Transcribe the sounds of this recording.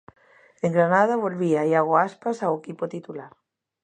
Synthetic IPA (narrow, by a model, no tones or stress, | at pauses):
eŋɡɾanað̞aβolβiaiaɣoaspasawekipot̪it̪ulaɾ